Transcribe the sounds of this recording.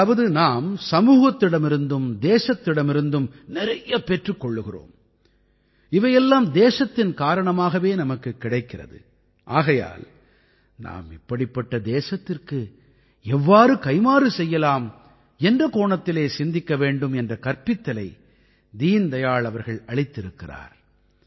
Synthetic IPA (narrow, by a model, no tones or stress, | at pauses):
ʋɐðɯnaːmsɐmuːɣɐt̪ːɪɽɐmɪɾɯnd̪ɯmd̪eːʂɐt̪ːɪɽɐmɪɾɯnd̪ɯmnɪɾɐjɐpɛʈrɯkːɔɭːɯɣɪro̰ːm | ɪʋɐjɛlːaːmd̪eːʂɐt̪ːɪnkaːɾɐɳɐmaːɣɐʋeːnɐmɐkːɯkːɪɽɐɪkːɪrɐ̰ðɯ̰ | ʔaːɣɐja̰ːl | na̰ːmɪpːɐɽɪpːɐʈːɐd̪eːʂɐt̪ːɪrkɯ | ɛʋːaːɾɯkɐɪmaːɾɯsɛjːɐlaːm | ɛndrɐkoːɳɐt̪ːɪleːsɪnd̪ɪkːɐʋeːɳɖɯmɛndrɐkɐɾpɪt̪ːɐlɐɪ | d̪iːnd̪ɐjaːɭɐʋɐɾɣɐɭɐɭɪt̪ːɪɾɯkːɪra̰ːɾ